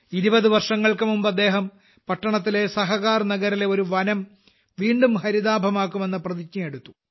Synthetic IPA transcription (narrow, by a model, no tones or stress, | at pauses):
iɾubɐðɨʋɐrʂɐŋːɐɭkɐmumbɐd̪ːe̞ːɦɐm | pɐʈːɐɳɐt̪̬ːile̞sɐɦɐɣaːrnɐɡɐɾile̞o̞ɾuʋɐnɐm | ʋiːɳɖumhɐɾiðaːbʱɐmaːkːume̞nːɐprɐðit͡ɕɲɐje̞ɽut̪ːu̥